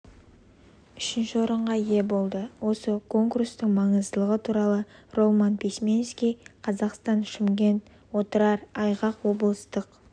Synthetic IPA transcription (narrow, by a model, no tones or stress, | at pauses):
ʏʃɪnʃɪwo̞ɾəɴʁɑje̞bo̞lˠd̪əwo̞səkʰo̞ŋkurst̪ɪŋmɑɴəzd̪əlˠəʁət̪ʰuɾɑlˠəro̞lˠmɑnpʲismʲe̞nskʲijqʰɑzɑqst̪ɑnʃɪmɡʲe̞nt̪ | wo̞t̪əɾɑɾɑjʁɑqwo̞bəlˠəst̪əq